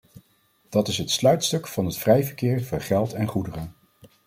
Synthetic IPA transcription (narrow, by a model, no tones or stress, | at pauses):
d̥ɑtɪsɦətslœɥtstɵkfɑnɦətfrɛjvəɹkɪːɹvʊɹχɛlˠtɛnχudərən